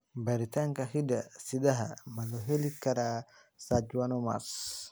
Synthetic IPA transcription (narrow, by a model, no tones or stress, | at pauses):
baɾitaŋkahidasidaɦa̰malɔɦelikaɾa | sad͡ʒuanɔma̰s